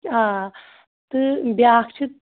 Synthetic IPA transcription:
a | t̪ɨbjaːkʰt͡ʃʰit̪

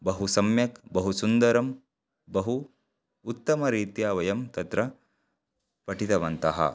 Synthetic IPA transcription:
bɐɦusɐmjɐkbɐɦusund̪ɐɾɐm | bɐɦuː | t̪ːɐmɐɾiːt̪jaːʋɐjɐmt̪ɐt̪ɾɐ | pɐʈit̪ɐʋɐnt̪ɐɦɐ̰

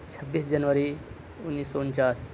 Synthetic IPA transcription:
t͡ʃʰəbːiːsd͡ʒənʋəɾi | ʊnːiːsːɔʊnt͡ʃaːs

